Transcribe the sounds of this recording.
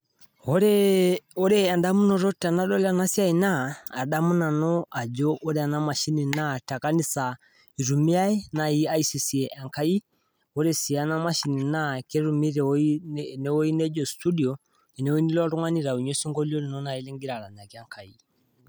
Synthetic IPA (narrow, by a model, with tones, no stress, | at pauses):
ɔɾɛɔ˦ɾɛa˨nda˦mu˦nɔ˨ɾɔ˦ta˨na˦lɔ˦lana˦sja˦inaː˦˨da˦mu˦na˨nɔ˦ʔa˨d͡ʒɔʔɔ˦ɾɛa˨namaʃi˦ni˨na˦ta˨ka˦ni˦sa˨ | i˨ɾu˨mi˦a˦ina˨i˦aisi˨si˨ɛʔa˨ŋka˦i˦ | ɔɾesi˨a˦na˦ma˦ʃi˨ni˨nake˦ɾu˨mi˦ɾɛinɛ˦wɔ˦i˦nɛ˦d͡ʒɔstu˦di˨ɔ | ɛ˨nɛ˨wo˦i˦ni˦lɔɾu˦ŋa˦ni˦ɾa˨u˨ɲe˦si˦ŋɡɔliɔ˦li˨nɔna˨i˦li˦ŋɡi˦ɾa˨ɾa˨na˨kja˦ŋka˨i